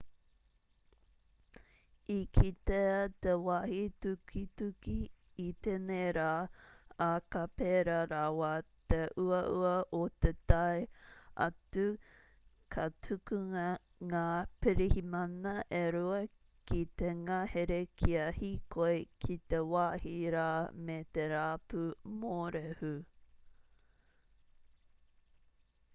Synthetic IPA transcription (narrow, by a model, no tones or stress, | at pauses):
ikʰit̪et̪ewahitukʰitukiː | t̪eneɾaːakɐpeɾɐɾawat̪eʔuɐʔuɐʔot̪et̪ɐeɐ̰tu | kʰɐtʰukuŋɐ | ŋaːpiɾihimɐnɐʔeɾuɐ | kit̪eŋaːheɾekʰiɐhikoekʰit̪ewaːhiɾaːmet̪eɾaːpumoɾehu